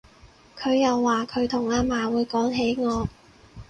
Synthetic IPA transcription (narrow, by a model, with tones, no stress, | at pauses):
kʰɵ˨˧ɥjɐ˨wːaː˨kʰɵ˨˧ɥt̪ʰʊ˨˩ŋaː˧maː˨wuː˨˧jkɔː˨˥ŋɦe˨˥jŋɔː˨˧